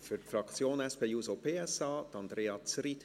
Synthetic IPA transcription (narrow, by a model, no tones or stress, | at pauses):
fytfrɑkt͡sjoːnɛspeːjuːzopeːɛsɑːt̪ɑnd̪ɾeːɑt͡sɾit